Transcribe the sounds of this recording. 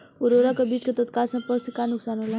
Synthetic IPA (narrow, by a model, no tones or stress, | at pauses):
oɾoɾakabit͡skat̪ət̪kalsãpəɾsəkanuksanɦola